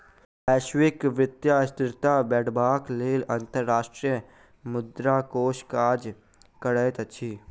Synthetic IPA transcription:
ɛːʃwɪkʋɪt̪jast̪ɪɾt̪abɛːʈbaːkleːlə̃nt̪əɾːaːʃʈɾijə | mʊd̪ɾakoːʃkaːd͡ʒ | kəɽəːt̪ɐːt͡ʃʰiː

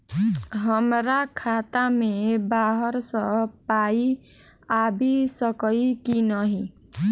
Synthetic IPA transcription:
ɦʌmɾakʰat̪amebaɦɔɾsʌpai | abʱisʌkɔikinʌɦĩ

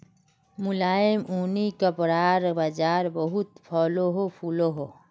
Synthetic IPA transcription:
mʊlaːɪmuːnikəpɾaːɾbad͡ʒaːɾbəɦut̪pʰɔːloɦopʰuːloɦo

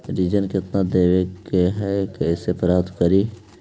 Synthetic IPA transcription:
ɾid͡ʒənkɪt̪nad̪eːʋekeɦɛkɛsepɾaːd̪kəɾi

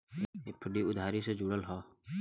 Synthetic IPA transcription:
epʰːəɖiʊd̪ʱaːɾised͡ʒʊɽəlɦoː

